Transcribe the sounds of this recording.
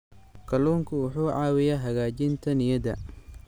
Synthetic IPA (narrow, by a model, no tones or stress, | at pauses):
kʰɐluːŋkʰʊʊħuːʕɑːwɪjɐɦɐɣaːt͡ʃɪnt̪ʰɐnɪjɐd̪ɐ̰